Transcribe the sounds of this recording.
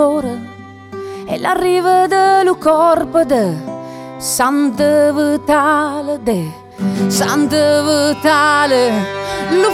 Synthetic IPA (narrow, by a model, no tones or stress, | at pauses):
oɾə | ɛ̰larivəd̪əlukɔrpəd̪ə | sand̪əvət̪aləd̪e | sand̪əvət̪alə | lu